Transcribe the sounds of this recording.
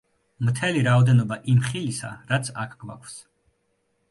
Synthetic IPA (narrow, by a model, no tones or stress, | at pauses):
mt̪ʰɛliɾaɔd̪ɛnɔbaʔimχilisa̰ɾat̪sʰakʰɡ̥wa̰kʰfs